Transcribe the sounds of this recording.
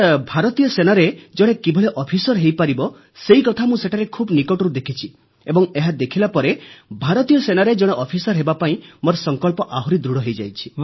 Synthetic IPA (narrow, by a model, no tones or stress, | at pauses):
bʱaɾɔt̪ijɔsenaɾed͡ʒɔɽ̃ekibʱɔɭeʔɔpʰisɔɾɦejpaɾibɔ | seikɔt̪ʰamũseʈʰaɾekʰubnikɔʈɔɾud̪ekʰit͡ʃʰi | ebɔŋeɦad̪ekʰilapɔɾebʱaɾɔt̪ijɔsenaɾed͡ʒɔɽ̃eʔɔpʰisɔɾɦebapaĩmoɾsɔŋkɔlpɔʔaɦuɾid̪ɾuɽɔɦejd͡ʒajt͡ʃʰi̥